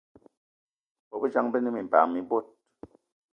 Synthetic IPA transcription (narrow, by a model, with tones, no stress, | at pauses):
bɔ˨bə˦d͡ʒa˦ŋbə˦nɨ˦mi˨m˨pa̰˨mi˨bo˦˨t̚